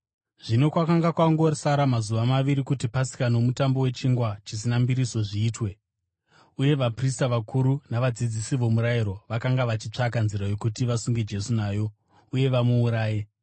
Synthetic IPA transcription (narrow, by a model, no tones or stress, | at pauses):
ʐ̥ino̞kwakaŋɡakwaŋɡorsaɾamazuʋamaʋiɾikutipasi̥kano̞mutambo̞we̞t͡ʃiŋɡwat͡ʃis̬inambiɾiso̞ʐiːtwe̞ | uje̞ʋapristaʋakʰuɾunaʋad͡zid͡zisiʋo̞muɾajiɾo̞ʋakaŋɡaʋat͡ʃit͡ʂakanziɾajo̞kutiʋasuŋɡed͡ʒe̞sunaːjo̞ | uje̞ʋamuːɾaːje̞